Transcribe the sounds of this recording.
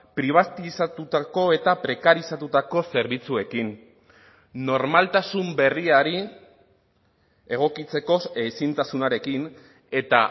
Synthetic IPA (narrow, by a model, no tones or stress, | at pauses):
pɾiβ̞at̪isat̪ut̪ako̞e̞t̪apɾe̞kaɾisat̪ut̪ako̞se̞ɾβit͡sue̞kin | o̞ɾmalt̪asumbe̞riaɾi | e̞ɣ̞o̞kit͡se̞ko̞esint̪asunaɾe̞kin | e̞t̪a